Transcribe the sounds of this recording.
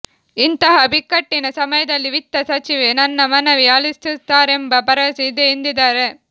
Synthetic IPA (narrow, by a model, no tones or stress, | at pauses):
int̪ɐɦɐbʱɪkːɐʈːɪnɐsɐmɐjɐd̪ɐlːiʋɪt̪ːɐsɐt͡ʃiʋenɐnːɐmɐnɐʋɪjaːlist̪ɯt̪ːaːɾembɐpɐɾɐsid̪eːnd̪id̪ɐːɾe